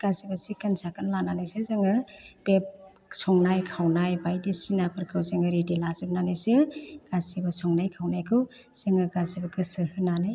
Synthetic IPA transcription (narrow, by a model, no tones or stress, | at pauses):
ɡ̥asibasikansakɯnlananasɯzaŋɯbep̚ | sɔŋnajkʰawnajbajdisinapʰɯɾkʰɯwzeŋɯɾidilazɯb̚nanasɯɡ̥asibɐsɔŋnajkʰawnajkʰɯw | z̥eŋɯɡasibɐkɯsɯhɯnanaj